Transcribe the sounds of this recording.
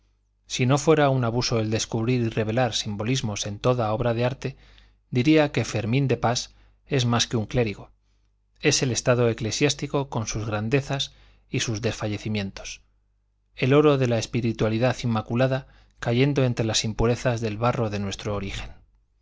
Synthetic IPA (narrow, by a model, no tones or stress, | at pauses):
sino̞fwe̞ɾaunaβuso̞e̞ld̪e̞skuβ̞ɾiɾire̞β̞e̞laɾsimbo̞lizmo̞se̞nt̪o̞ðao̞βɾaðe̞aɾt̪e̞ | d̪iɾiake̞fe̞ɾmĩnd̪e̞pas | e̞zmaske̞uŋkle̞ɾiɣo̞ | e̞se̞le̞st̪að̞o̞e̞klesjast̪iko̞ko̞nsuzɣɾand̪e̞θas | isuzðe̞sfaʝe̞θimjẽ̞nt̪o̞̥s | e̞lo̞ɾoðe̞laespiɾit̪waliðaθimːakulaða | kaʝe̞nd̪oe̞nt̪ɾe̞lasimpuɾe̞θazðe̞lβaro̞ðe̞nwe̞st̪ɾo̞ːɾixe̞n